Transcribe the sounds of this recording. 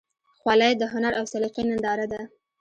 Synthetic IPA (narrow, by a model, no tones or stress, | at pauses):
xwalajd̪əɦʊnaɾʔawsaliqinand̪ɑɾad̪a